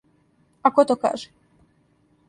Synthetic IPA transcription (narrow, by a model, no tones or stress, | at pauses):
akot̪oka̰ːʒɛ̥